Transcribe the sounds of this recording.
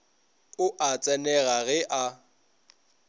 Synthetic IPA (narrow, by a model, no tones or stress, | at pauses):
ʊʔat͡sʼɛnɛɣaɣɛʔa